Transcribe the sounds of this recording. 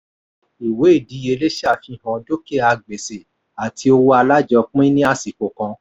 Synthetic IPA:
i˨we˨˦i˦˨di˨˦e˧le˦ʃa˦˨fi˧˨hã˧do˦ke˦˨a˧ɡ͡be˨se˨ | a˨tʰi˧˦o˧wo˦a˧la˦d͡ʒɔ˧k͡pĩ˦nĩ˦a˧si˨ko˨kã˧

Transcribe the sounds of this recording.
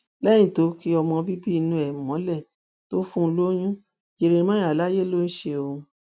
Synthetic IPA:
lɛ̃˦ĩ˦˨to˨˦ki˧˦ɔ˧mɔ̃˧bi˦bi˦˧nũ˧ɛ˨mɔ̃˨˦lɛ˦˨ | to˦fũ˦˧lo˦j̃ũ˦ | d͡ʒe˧ɾe˧ĩ˧mã˦a˨la˦je˦lo˦n̩˦ʃe˧o˧ũ˧

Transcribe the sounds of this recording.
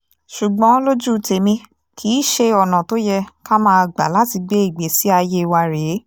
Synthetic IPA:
ʃu˨ɡ͡bɔ̃˨˦lo˦d͡ʒu˦˨˧te˨mĩ˧ | kʰi˨˦ʃe˧ɔ˨nã˨to˦jɛ˧ka˦mãː˦˧˨ɡ͡ba̰˨la˦ti˧ɡ͡be˦i˦˨ɡ͡be˨˦si˦a˧je˦˧wa˧ɾe˨˦

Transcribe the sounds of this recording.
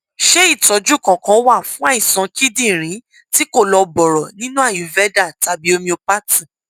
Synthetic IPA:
ʃe˦i˦˨tɔ˨˦d͡ʒu˦˨kã˨kã˨˦wa˦˨fũ˨˦a˦ĩ˦˨sã˨˧ki˦dĩ˦˨ɾ̃ĩ˨˦ | ti˦ko˦˨lɔ˧bɔ˨ɾɔ˨nĩ˦nũ˦a˦˨ju˨˦vɛ˦da˦˨ta˨˦bi˨˦o˧mĩ˧o˧pa˦tĩ˦˨

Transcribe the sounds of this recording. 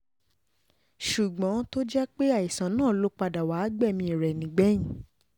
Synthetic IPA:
ʃu˨ɡ͡bɔ̃˨˦to˦d͡ʒɛ˦k͡pe˦a˦˨i˨sã˨nãː˦˨lo˨˦k͡pa˧da˨wa˨˦ɡ͡bɛ˦˨mĩ˧i˨ɾɛ˨nĩ˨˦ɡ͡bɛ˨˦jĩ˨˦

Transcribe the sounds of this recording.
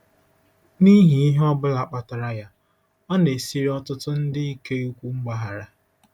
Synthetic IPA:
ni˦ɦi˨i˦ɦe˦ɔ˦bʊ˦la˨k͡pa˨ta˨ɾa˦ja˦ | ɔ˦ne˨si˦ɾi˦ɔ˦tʊ˦tʊ˦n̩˦dɪ˦i˦ke˦u˦kʷu˦ŋ͡m̩˦ɡ͡ba˦ɦa˨ɾa˨

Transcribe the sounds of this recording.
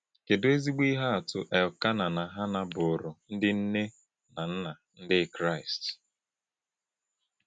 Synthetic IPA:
ke˨dʊ˦e˦zi˦ɡ͡bi˦ɦa˦a˨tʊ̰˨ʔɛ˨ka˦na˨na˨ɦa˦na˨bʊ˨ɾʊ˨n̩˦dɪ˦n̩˦ne˦ | na˨n̩˦na˨n̩˦dɪ˦kɾa˦ɪ˨st

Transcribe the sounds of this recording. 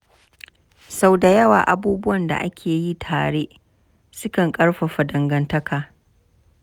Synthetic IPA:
sa˦wda˨jɐ˦wa̰ː˨ʔa˨buː˦bʊ˦wɐ˨nda̰˨ʔa˦kʲʰeː˨ji˦tʰaː˨ɽeː˦ʔ | sʊ˦kɐ˨ŋkʼɐ˦ɽɸa˨ɸa˨dɐ˨ŋɡɐ˦ntɐ˦kʰaː˨

